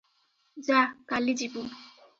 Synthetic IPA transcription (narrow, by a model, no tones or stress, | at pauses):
d͡ʒakalid͡ʒibu